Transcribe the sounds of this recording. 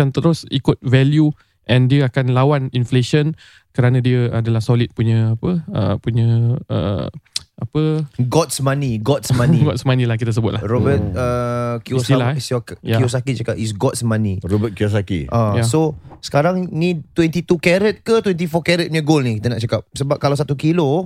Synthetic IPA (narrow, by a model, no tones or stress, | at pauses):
ant̪əɾʊsikʊt̪̚vɛlju | ʔɛndiəakanlawaninfleʃən | kəɾanãdiəadalahsolit̪̚puɲə̃apəə̰puɲə̃ə̰ | apəɡɔt̪̚smãniɡɔt̪smãniɡɔt̪smãnĩlahkit̪əs̬əbʊt̪̚laɾɔbət̪̚əkiusilasjakios̬akit͡ʃakapis̬ɡɔt̪̚smãniɾobət̪̚kios̬akḭʔajasosə̥kaɾaŋnĩt̪wɛnt̪it̪ukɛɾət̪̚kət̪wɛnt̪̬ifɔkɛɾət̪̚meɡolnikit̪ənaʔt͡ʃakap̚səbap̚kalawsat̪ukilo